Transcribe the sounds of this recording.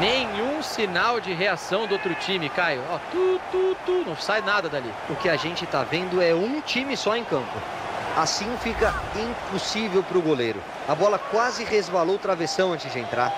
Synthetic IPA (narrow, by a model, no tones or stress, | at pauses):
nẽɲũsinawd͡ʒɪɦeasɐ̃w̃d̪ʊowt̪ɾʊt͡ʃĩmɪkajʊɔt̪ud̪ud̪ʊnɐ̃w̃sajnad̪ɐd̪alḭ | ʊkɪaʒẽnt͡ʃɪt̪avẽnd̪ʊɛũt͡ʃimɪsɔẽkɐ̃mpʊ̰ | asĩfikɐĩpusivewpɾʊɡolejɾʊ̰ | abɔlɐkwazɪhezvalowt̪ɾavesɐ̃w̃ɐ̃nt͡ʃɪzd͡ʒɪẽnt̪ɾa̰ɾ